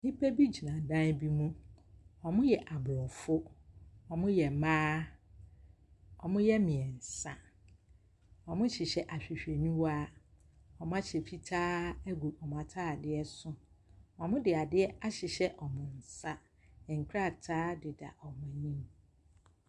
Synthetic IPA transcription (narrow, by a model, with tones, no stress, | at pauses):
ni˦pʰe˦bi˦d͡ʑi˨nã˨dã˦n˦bi˦mũ˦ɔ˨mʊ̃˦jɛ˨ʔa˨blɔ˨fʊ˦ɔ˨mʊ̃˦jɛ˨mãː˦ | ɔ˨mʊ̃˦jɛ˦mɪ̃˨ɛ˨n̩˨sa˦ | ɔ˨mʊ̃˦ɕɪ˨ɕɛ˨ʔa˨ɕᶣi˨ɕᶣe˨nũ˦waː˦ | ɔ˨mʊ̃˦a˦ɕe˨fi˦tʰaː˦ɛ˦ɡu˨ɔ˨m̃˨a˨tʰaː˦˨dɪ˦ɛ˦sʊ˦ | ɔ˨mʊ̃˦dɪ˨a˨dɪ˦ɛ˦a˦ɕɪ˨ɕɛ˦ʔɔ˨mʊ̃˨n̩˨sa˦˨ | ŋ̩˨kʰɾa˦˨tʰaː˦dɪ˨da̰˨ʔɔ˨mã˨nĩ˦m